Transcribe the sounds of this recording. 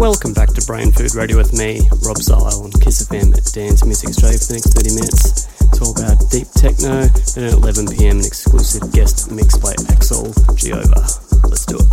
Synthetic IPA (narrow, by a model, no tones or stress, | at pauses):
wɛlˠkə̃mbæk̚tʰɨbɹẽɪ̃nfʉ̰d̚ɹeɪɾiɨwɨðmiɹɑbsa̰ɪlˠə̃nkʰɪsɨfɛ̃mɨd̥æ̃nsmizɨkstɹ̥eɪfəðɨnɛksθɜ˞ɾimɪ̃nɨtsɪtsɔlˠəbaʊt̚d̥ip̚tʰɛk̚noʊɨ̃nɨɾə̰lɛvə̃npʰiɛ̃mɨ̃nɨ̰ksklʉ̰sɨvɡɛstmɪksb̥aɪæksə̰lˠd͡ʒḭo̰ʊvə̰˞lətsd̥ʉɪt̚